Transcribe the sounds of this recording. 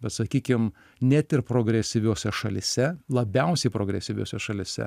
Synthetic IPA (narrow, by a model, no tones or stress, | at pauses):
bʲɛt̪sɐkʲiːkʲɪm | nʲæt̪ʲɪɾpɾoːɡɾʲɛsʲɪʋʲoːsʲɛʃɐlʲɪsʲɛlˠɐbʲɛʊsʲɛɪpɾoːɡɾʲɛsʲɪʋʲo̰ːsʲɛʃɐlʲɪsʲɛ̰